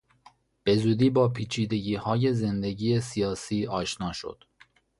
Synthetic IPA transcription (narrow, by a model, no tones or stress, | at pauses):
b̥e̞zuːd̪iːbɒːpʰiːt͡ʃʰiːd̪e̞ɟiːhɒːje̞ze̞nd̪e̞ɟiːjesijɒːsiːɒːʃnɒːʃo̰d̪̥